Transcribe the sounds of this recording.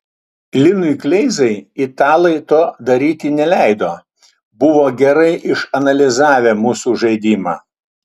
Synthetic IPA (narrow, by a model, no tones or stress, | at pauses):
lʲɪnʊɪklʲɛɪzɐɪit̪ɑːlˠɐɪt̪oːd̪ɐɾʲiːt̪ʲɪnʲɛlʲæˑɪd̪oː | bʊʋoːɡʲɛɾɐɪʔɪʃɐnɐlʲɪzɑːʋʲeːmuːsuːʒɐɪd̪ʲiːmɑ̰ː